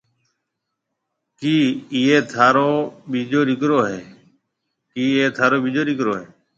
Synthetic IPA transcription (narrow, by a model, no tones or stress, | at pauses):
kiːiːeːt̪ʰaːɾoːɓiːd͡ʒoːɗɪkɾoːɦeː | kiːeːt̪ʰaːɾoːɓiːd͡ʒoːɗɪk̬ɾoːɦeː